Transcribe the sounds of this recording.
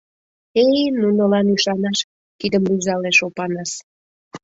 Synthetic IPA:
ejnunəlɑnyʃɑnɑʃ | kid̪əmlyzɑleʃopɑnɑʃ

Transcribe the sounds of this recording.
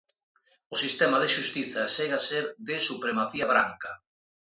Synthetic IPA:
ʊsist̪ɛmaðeʃust̪iθɐseɣaseɾðɪsupɾemaθiaβɾa̰ŋkɐ

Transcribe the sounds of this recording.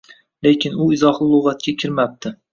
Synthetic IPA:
le̞kʲʰɪnʊɪzɒχlˠɪlˠoʁɑt̪̚kʲakʲʰɪɾmap̚t̪ɪ

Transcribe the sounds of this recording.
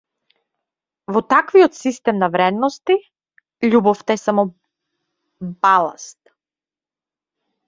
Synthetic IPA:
vɔt̪akviɔt̪sist̪ɛmnavɾɛd̪nɔst̪i | ʎubɔft̪aɛsamɔ | balˠa̰st̪̚

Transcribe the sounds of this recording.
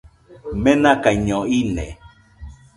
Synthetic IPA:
menãkaiɲõinḛ̃

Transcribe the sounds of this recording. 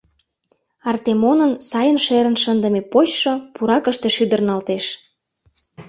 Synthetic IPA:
ɑrt̪emonənsɑjənʃeɾə̆nʃənd̪ə̆mepoɕʃopuɾɑkə̆ʃt̪eʃyd̪ə̆rnɑlt̪eʃ

